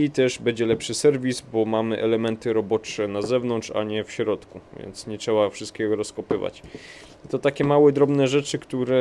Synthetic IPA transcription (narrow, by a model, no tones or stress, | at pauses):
it̪ɛʐbɛd͡ʑɛlɛpʂɘsɛɾvʲizbɔmamɘʔɛlɛmɛnt̪ɘɾɔbɔt͡ʂɛnazɛvnɔnt̪t͡ʂa̰ɲɛfɕɾɔt̪kuvʲjɛ̰nt̪sɲɛtʂɛbafʂɨst̪̚kʲɛɡɔɾɔskɔpɘva̰t͡ɕ | t̪ɔt̪akʲɛmawɛd̪ɾɔbnɛʐɛt͡ʂɘkt̪uɾɛ